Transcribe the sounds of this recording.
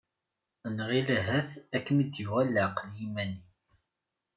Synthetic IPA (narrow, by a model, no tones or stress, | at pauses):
ənʁilɦæθækːəmid̪juʁælːaqəljimæni